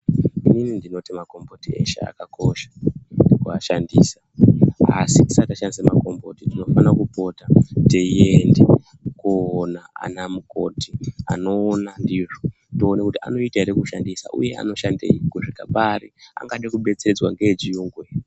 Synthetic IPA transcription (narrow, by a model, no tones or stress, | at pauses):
ininindino̞timako̞mbotiḛʃḛa̰kako̞ʃḁnikuaʃandiːsḁa̰siti̥sataʃandisemako̞mbo̞titino̞fanakupo̞tateiende | kuonaa̰namuko̞tia̰no̞ːnandiʐo | tionekutia̰no̞itaeɾekuʃandisa̰ʔṵje̞a̰no̞ʃandḛikuʐikapaɾia̰ŋɡaɗakuɓe̞t͡sed͡zwaŋɡed͡ʒiuːŋɡwe